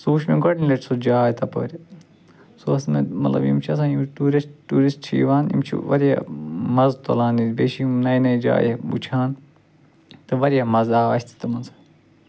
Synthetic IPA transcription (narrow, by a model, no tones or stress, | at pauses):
suːʃmeɡɐɽnilɐʈʰʲsod͡ʒaːt̪ɐpɐ̰ːɾʲ | soɐsmemɐ̰t̪lɐ̰bḭmt͡ʃʰiɐsãːimt̪uːɾɐtuːɾist͡ʃʰḭːʋaːnḭmt͡ʃʰḭʋɐ̰ɾija̰mɐzt̪o̰laːnid̪beːʃimnɐjinɐid͡ʒa̰ːjebṵt͡ʃʰaːn | t̪ɨʋɐɾʲjamɐzaːʋɐ̰sʲt̪ʰi̥t̪ɐmɐnsɐ̥